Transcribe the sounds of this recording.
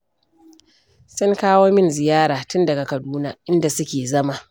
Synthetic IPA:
sʊ˦ŋkaː˦woː˦mɪ˦nzɪ˨jaː˦ɾaː˨tʊ˦ndɐ˨ɡa˨kɐ˨duː˦naː˦ʔɪ˦nda˨sʊ˦kʲeː˨zɐ˦ma˨ʔ

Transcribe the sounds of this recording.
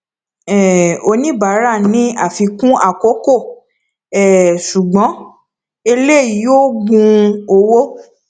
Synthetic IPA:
ɛ˨o˧nĩ˦ba˨˦ɾa˦˨nĩ˨˦a˦˨fi˧kũ˦a˦˨ko˨˦ko˦˨ | ɛ˨ʃu˨ɡ͡bɔ̃˨˦ | e˧le˦˨i˨joː˦ɡũ˧o˧wo˦

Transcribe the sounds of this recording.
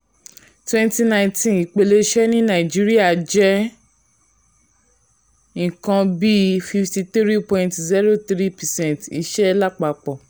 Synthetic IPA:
twɛ̃˦nti˧nã˧ĩtĩ˦i˨k͡pe˧le˧ʃɛ˦nĩ˦nã˨i˨d͡ʒi˦ɾi˦a˨d͡ʒɛ˦ | ĩ˨kã˧bi˦fi˧fti˧t̪ɾi˦pɔ̃˧˨ĩntzi˦ɾo˦˨t̪ɾi˦pɛ˨sɛ̃˦ntḭ˧ʃɛ˦la˦k͡pa˨k͡pɔ˨

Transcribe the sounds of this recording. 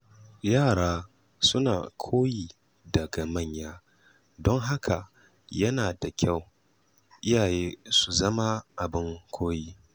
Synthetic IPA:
jaː˦˨ɽaː˦ | sʊ˦na̰ː˨kʷʰoː˦jiː˨ | dɐ˨ɡa˨mɐ˦˨ɲjaː˦ | dɔ˦ŋɦa˦kʰa˨ | jɐ˦naː˨da˨kʲʰa˦˨w | ʔɪ˦jaː˨jeː˦su˨zɐ˦ma˦ʔa˨bɪ˦ŋkʷʰoː˦jiː˦

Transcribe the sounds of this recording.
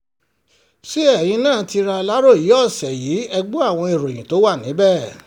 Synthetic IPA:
si˦ɛ˦˨j̃ĩ˧˦nãː˦˨ti˧ɾa˧la˦ɾo˦˨ji˨˦ɔ˦˨sɛ˨jiː˨˦ɛ˧ɡ͡bo˦a˦˨w̃ɔ̃˧e˨ɾo˨j̃ĩ˨to˨˦wa˦˨nĩ˨˦bɛ˦˨

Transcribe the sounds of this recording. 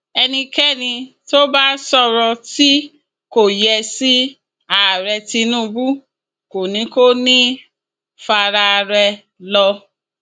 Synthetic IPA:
ɛ˧nĩ˧kɛ˦˨nĩ˧to˦ba˦sɔ˦˧ɾɔ̃˧ti˦ | ko˦˨jɛ˧si˦ | a˦˨ɾɛ˧ti˧nũ˦˨˧bu˦ | ko˨nĩ˨˦ko˦nĩ˦ | fa˧ɾa˧ɾɛ˧ | lɔ˧

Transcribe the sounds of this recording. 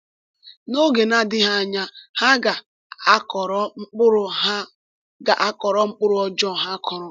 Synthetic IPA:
no˦ɡe˨na˦dɪ˦ɦa˦a˦˨ɲa˦ha˦ɡa˨˦ | kɔ˨ɾɔ˦ŋ͡m̩˦k͡pʊ˦ɾʊ˨a˦ | ɡa̰˨ʔa˦kɔ˨ɾɔ˦ŋ͡m̩˦k͡pʊ˦ɾʊ˨ɔ˦d͡ʒɔ˦˨ɦa˦kʰɔ˨ɾʊ˨

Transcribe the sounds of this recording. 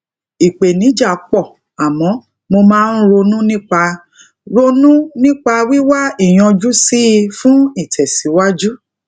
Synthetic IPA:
i˨k͡pe˨nĩ˨˦d͡ʒa˦˨˦k͡pɔ˦˨ | a˨mɔ̃˨˦ | mo˧mãː˦n̩˦ɾo˧nũ˦nĩ˦k͡pa˧ | ɾo˧nũ˦nĩ˦k͡pa˧wi˦wa˦i˦˨j̃ɔ̃˧d͡ʒu˦si˦˧fũ˦i˦˨tʰɛ˨si˨˦wa˦d͡ʒu˦

